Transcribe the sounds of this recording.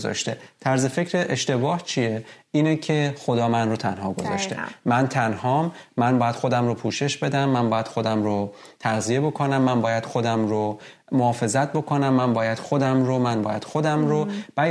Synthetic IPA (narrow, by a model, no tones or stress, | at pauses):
zɒ̰ːʃt̪e̞t̪ʰæɾze̞fecʰɾeʔeʃt̪e̞bɒːht͡ʃʰijeiːnecʰe̞xod̪ɒːmænrot̪ʰænhɒːɡo̰zɒ̰ːʃt̪ḛmænt̪ʰænhɒːmːænbɒːjæd̪̥xod̪æmɾopʰuːʃe̞ʃbe̞d̪æmːænbɒːjæd̪̥xod̪æmɾo | t̪ʰæɣzije̞bokʰonæmːænbɒːjæd̪̥xod̪æmɾo | mohɒːfe̞zæt̪̚ʰbokʰonæmːæmbɒːjæd̪̥xod̪æmɾomænbɒ̰ːjæd̪̥xod̪æmɾob̥æ